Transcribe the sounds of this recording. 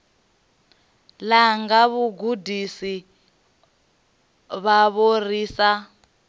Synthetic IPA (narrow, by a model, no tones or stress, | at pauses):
laŋɡaβuɡudisi | βaβoriːsa